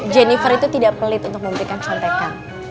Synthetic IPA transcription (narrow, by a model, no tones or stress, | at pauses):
d͡ʒɛnifərit̪ut̪idaʔpəlɪt̪unt̪ʊk̚məmbəɾikant͡ʃant̪ekan